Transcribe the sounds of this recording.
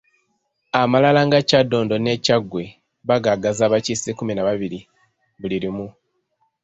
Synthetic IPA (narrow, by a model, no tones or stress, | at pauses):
amalalaŋɡacado̞ːndo̞ne̞ːcaɡwe̞ | βaɡaɡazaːβacisikuminaβaβiɾi | βuliɾimu